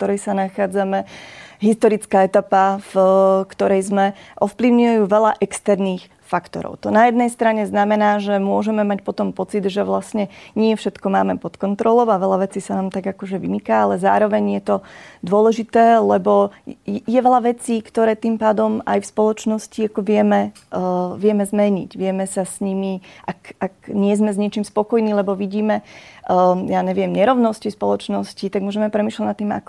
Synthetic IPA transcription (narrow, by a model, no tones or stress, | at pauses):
t̪ɔɾɛjsanaxaːd͡zamɛɦist̪ɔɾit͡skaːɛt̪apafkt̪ɔɾɛjzmɛʔɔfpliʊɲujajuːʋɛlaʔɛkst̪ɛɾniːx | fakt̪ɔ̰ɾɔ̰ʊt̪ɔnajɛd̪nɛjst̪ɾaɲɛznamɛnaːʒɛmʊɔʒɛmɛmacpɔt̪ɔmpɔt͡sid̪ʒɛʋlasɲɛɲɪɛfʃɛt̪kɔma̰ːmɛpɔt̪kɔnt̪ɾɔlɔʊaʋɛʎaʋɛt͡siːsanaːmt̪aɡakɔʒɛʋimikaːalɛza̰ːɾɔʋɛɲjɛt̪ɔd̪ʊɔlɛʒit̪ɛːlɛbɔjɛʋɛʎaʋɛt͡siːkt̪ɔɾɛːt̪iːmpaːd̪ɔmajfspɔlɔt͡ʃnɔsciakɔʋɪɛmɛ | ʋɪɛmɛzmɛɲḭɟʋɪɛmɛsasɲimiʔakakɲɪɛzmɛzɲɪɛt͡ʃiːmspɔkɔjniːlɛbɔʋiɟiːmɛ | jaːɲɛʋɪɛmɲɛɾɔʊnɔscispɔlɔt͡ʃnɔscit̪aɡ̚mʊɔʒɛmɛpɾɛmiːʃlaɟnat̪ːiːma̰kɔ̥